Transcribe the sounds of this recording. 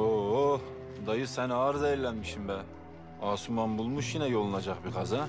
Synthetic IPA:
o | d̪ɑjɯsɛnɑɾzɛjiɾlʲɛnmiʃimbɛ | ɑːsumɑmbulˠmuʃjinɛjolˠnɑd͡ʒɑqbiqʰɑzɑ

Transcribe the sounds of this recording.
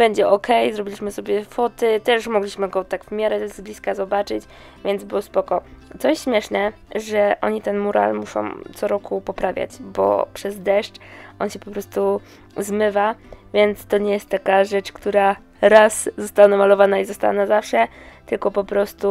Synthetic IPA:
b̥ɛɲd͡ʑɛʔɔkʰɛjzɾɔbʲilʲiɕmɘsɔbʲjɛfɔt̪ɘt̪ɛʂmɔɡlʲiɕmɘɡɔt̪aɡvmʲjaɾɛzblʲiskazɔbat͡ʂɘt͡ɕ | vʲjɛnd̪zbɘwɔspɔkɔt̪sɔjɛst̪ɕmʲjɛʂnɛ | ʐɛʔɔ̰ɲit̪ɛnmuɾa̰lmuʂɔ̰̃w̃t̪sɔɾɔkupɔpɾavʲja̰d͡ʑbɔ̰pʂɛzd̪ɛʂt͡ʂʔɔnɕɛpɔpɾɔst̪u | zmɘvavʲjɛnt̪st̪ɔɲɛjɛst̪ːakaʐɛt͡ʂkt̪uɾa | ɾaszɔst̪awanamalɔvanaizɔst̪awa̰nazafʂɛt̪ɘlkɔpɔpɾɔst̪u

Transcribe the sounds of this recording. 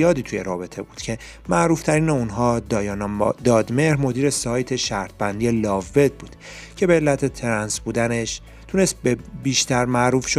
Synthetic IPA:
jɒːd̪iːt̪ʰujeɾɒːbe̞t̪ʰe̞buːd̪̥cʰe̞ | mæʔɾuːft̪ʰæɾiːneunɦɒːdjɒnd̪ɒːd̪meɾmo̞d̪iːɾe̞sɒːjt̪ʰe̞ʃæɾt̪̚ʰbænd̪iːelɒːvːe̞d̪̚buːd̪̥ | cʰe̞beːlːæt̪ʰet̪ʰeɾænsbuːd̪æne̞ʃ | t̪ʰune̞st̪̚bebiːʃt̪æɾmæʔɾuːfʃo

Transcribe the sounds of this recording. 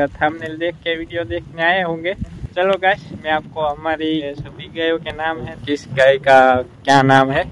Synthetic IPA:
ət̪ʰamned̪eːkʰːeʋiɖijod̪eːkʰneaːeɦõːŋɡeːt͡ʃɐloɡaʃmɛ̃aːp̚koɦɐmaːɾisbʱiɡəjokenaːmɦɛ̃kɪsɡaːikakjanaːmɦɛː

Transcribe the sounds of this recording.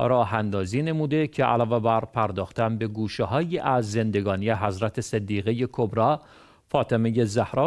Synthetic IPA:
ɾɒːɦænd̪ɒːziːne̞muːd̪e̞cʰeʔæ̰lɒːvebæɾpʰæɾd̪ɒːxt̪æmbe̞ɡuːʃeɦɒːjiːʔæzːe̞nd̪e̞ɡɒːnijeɦæzɾæt̪ʰesed̪ːiːɣeje̞kʰobɾɒː | fɒːt̪ʰemeje̞zæhɾɒː

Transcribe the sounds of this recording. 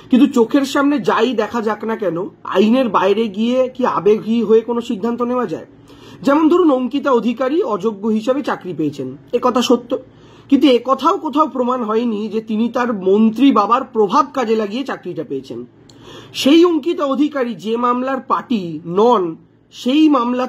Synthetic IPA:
kint̪̬ut͡ɕokʰeɾʃamned͡ʑajd̪ɛkʰad͡ʑaknakɛnoa̰jneɾbaeɾeɡiekia̰beɡʱɦiɦoekonoʃid̪ʱːant̪oneoad͡ʑa̰e | d͡ʑɛmond̪ʱoɾunoŋkit̪̬aod̪ʱikaɾiɔd͡ʑoɡːoɦiʃebet͡ɕakɾipeːt͡ɕʰenekɔt̪ʰaʃot̪ːo | kint̪̬uekɔt̪ʰaokot̪ʰaopɾomanɦɔenid͡ʑet̪init̪aɾmont̪ɾibabaɾpɾobʱab̚kad͡ʑelaɡiet͡ɕakɾiʈapejet͡ɕʰen | ʃejoŋkit̪aod̪ʱikaɾid͡ʑemamlaɾpaʈinɔn | ʃejmamla

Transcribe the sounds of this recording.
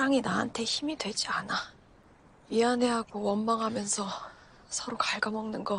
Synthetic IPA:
aŋinaɦantʰe̞çimidwe̞d͡ʑiana | iane̞ɦaɡowʌnmaŋɦamjʌnsʰʌ | sʰʌɾokaɭɡamʌŋnɯnɡʌ

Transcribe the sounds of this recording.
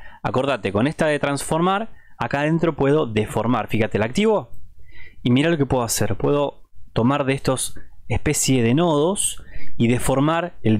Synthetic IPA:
a̰ko̞ɾðat̪eko̞nest̪aðet̪ɾansfo̞ɾmaɾakaðe̞nt̪ɾo̞pwe̞ðo̞ðefo̞ɾmaɾfixat̪elak̚t̪iβo̞ | imiɾalo̞kepwe̞ðoasḛɾpwe̞ðo̞t̪o̞maɾðeest̪o̞sehpe̞sjeðe̞no̞ðosiðefo̞ɾmaɾel

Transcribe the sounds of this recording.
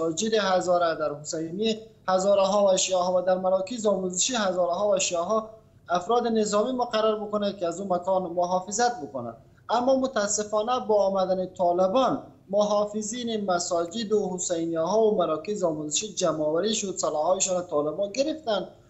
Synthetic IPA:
d͡ʒɪd̪ehazɔɾad̪aɾhʊsajnihazɔɾaɦɔwaʃiaɦɔvad̪aɾmaɾɔkɪzɔmuzɪʃihazɔɾaɦɔvaʃiaɦɔ | afɾɔd̪ɪnɪzɔmimʊqaɾaɾbʊkʊnad̪̚kiazumakɔnmʊɦɑfɪzat̪̚bʊkʊna̰d̪ | amːɔmʊt̪aːsːɪfɔnabɔːmad̪anet̪ʰɔlɪbɔn | mʊɦɑfɪzinemasɔd͡ʒɪd̪ohʊsajnijaɦɔwʊmaɾɔkɪzɔmuzɪʃid͡ʒamɔwaɾiʃʊd̪salɔhɔɪʃɔnat̪ʰɔlɪbɔnɡɪɾɪft̪and̪

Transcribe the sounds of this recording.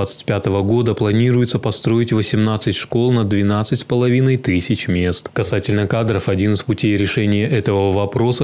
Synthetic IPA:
at̪sɨ̥tʲpʲat̪əvəɡo̞d̪əplˠɐnʲiɾʊjɪt̪səpɐst̪ɾo̞ɪtʲvəsʲɪmnat̪sɨtʲʂko̞lˠnəd̪vʲɪnat̪sɨtʲspəlˠɐvʲinəjt̪ɨsʲɪt͡ɕmʲe̞st̪kɐsatʲɪlʲnəkad̪ɾəfɐdʲinɨspʊtʲejɾʲɪʂɛnʲɪjəʔɛt̪əvəvɐpɾo̞sə

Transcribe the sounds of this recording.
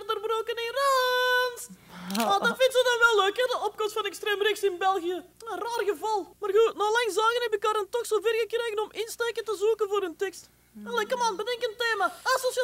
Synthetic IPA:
rdərbroːkənɪnransadɑnvɪntzədɑnʋɛlˠːøːkɛdəɔp̚kɔmstfɑnɛkstreːmrɪxsɪnbɛlˠɣijə | əraːrɣəvɑlˠmaːrɣutnɔlɑŋzɑːɣənɛpɪkɑːɾəntɔxsoːvɪːrɣəkreːɣənɔmɪnsteːkəntəzukənvʊːrɵntɛkst | ənlɛkəmaːnbədɛŋkənteːmaasos

